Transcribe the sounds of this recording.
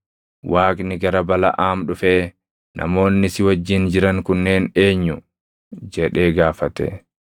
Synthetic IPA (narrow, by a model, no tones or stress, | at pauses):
waːkʼnɪɡɐɾɐbɐlɐ̰ʔaːmɗʊfeː | nʔɐ̰mo̞ːnːɪsɪwɐd͡ʒːɪnd͡ʒɪɾɐŋkʊnːe̞ːne̞ːɲːʊ | d͡ʒɛᶑe̞ːɡaːfɐt̪ɛ̰